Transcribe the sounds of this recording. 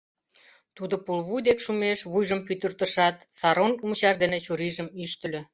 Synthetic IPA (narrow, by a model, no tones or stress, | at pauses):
t̪ud̪ŏpulβujd̪ekʃumeʃβujʒəmpyt̪ərt̪əʃɑt̪sɑɾonumt͡ɕɑʃd̪enet͡ɕuɾiʒə̆myʃt̪ə̆lʲø̆